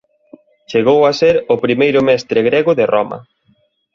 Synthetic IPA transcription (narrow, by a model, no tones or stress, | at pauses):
t͡ʃeɣowaseɾʊpɾimejɾʊmɛst̪ɾɪɣɾeɣʊðerɔmɐ̰